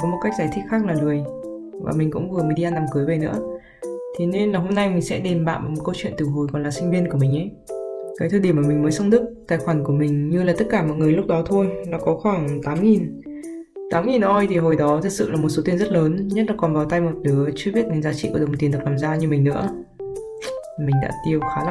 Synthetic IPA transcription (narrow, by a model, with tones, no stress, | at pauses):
kɔ˨˦mo˨˩t̚ka˦˥k̚zaː˧˩jt̪ʰi˦˥k̚xaː˦˥k̚laː˨˩ŋɨ˨˩əj | vaː˨˩mï˨˩ŋ̟kʊ̰˧˥ŋ͡mvɨ˨˩əmi˧ɗi˧ʔaː˧nːa˨˩mkɨ˨˦jve˨˩nɨ̰˧˥ə | t̪ʰe˨˦ne˧nlaː˨˩ɦo˧mna˧jmï˨˩ŋ̟sɛ̰˧˥ɗe˨˩mɓa̰ː˧˨nʔaː˨˩mo˨˩t̚kə˧wt͡ɕwḭ˧˨ənt̪ɨ˨˩ɦo˨˩jkɔ˨˩nlaː˨˩si˧ŋ̟vi˧ənku˧˩əmï˨˩ŋ̟ʔə˨˦j | kaː˨˦jt̪ʰo˧jɗmaː˨˩mï˨˩ŋ̟məː˨˦jsə˧wŋ͡mɗɨ˦˥k̚t̪aː˧˩jxwaː˧˩nku˧˩əmï˨˩ŋ̟ɲɨ˧laː˨˩t̪ə˦˥t̚kaː˧˩mɔ̰˧˨jŋɨ˨˩əjlʊ˦˥k͡p̚ɗɔ˨˦t̪ʰo˧jlaː˨˩kɔ˨˦xwaː˧˩ŋt̪aː˨˦mŋi˨˩n | t̪aː˨˦mŋi˨˩nʔo˧jt̪ʰi˨˩ɦo˨˩jɗɔ˨˦t̪ʰɨ˨˩k̚sɨ̰˧˨laː˨˩mo˨˩t̚so˨˦t̪i˧ənzə˦˥t̚ləː˨˦nɲə˦˥t̚laː˨˩kɔ˨˩nɓaː˨˩wt̪a˧jmo˨˩t̚ɗɨ˨˦ət͡ɕɨ˧əɓi˦˥ət̚nɨ˨˦ŋzaː˨˦t͡ɕḭ˧˨ku˧˩˨ŋ͡mt̪i˨˩nt̪k̚laː˨˩mzaː˧ɲɨ˧mï˨˩ŋ̟nɨ̰˧˥ə˨˩ | mï˨˩ŋ̟ɗa̰ː˧˥t̪i˧əwxaː˨˦la˨